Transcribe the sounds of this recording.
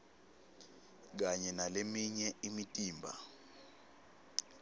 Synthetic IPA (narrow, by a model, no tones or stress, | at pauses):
k̬aɲɛnalemiɲɛimitʼiːmbʱa̰